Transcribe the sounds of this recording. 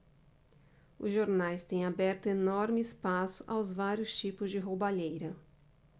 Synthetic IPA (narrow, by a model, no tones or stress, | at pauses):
ʊzʒoɾnajst̪ẽj̃abɛɾt̪ʊenɔɾmɪɪspasʊʔawzvaɾjʊst͡ʃipʊzd͡ʒɪɦowbaʎejɾɐ